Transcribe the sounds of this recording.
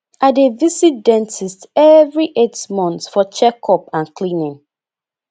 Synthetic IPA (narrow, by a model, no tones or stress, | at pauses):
adevisit̚dɛ̃ntʰistɛvɹiʔetmɔ̃ntfɔt͡ʃɛkʰɔpãnklĩnĩn